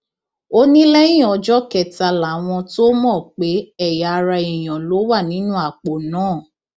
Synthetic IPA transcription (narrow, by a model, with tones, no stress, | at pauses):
o˦nĩ˦lɛ˦j̃ĩ˦˨ɔ˨˧d͡ʒɔ˦kɛ˨ta˧la˨˦w̃ɔ̃˧to˦mɔ̃˦˨k͡pe˨˦ɛ˦˨ja˨˧ɾa˧i˨j̃ɔ̃˨lo˨˦wa˦˨nĩ˨˦nũ˦a˦˨k͡po˨nãː˦˨